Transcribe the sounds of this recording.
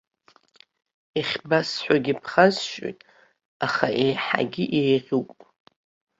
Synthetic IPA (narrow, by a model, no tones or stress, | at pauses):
iχʲbasħʷᶣaɡʲipʰχazʃʼo̰jtʼ | aχaʔejħa̰ɡʲiʔejʁʲuwpʼ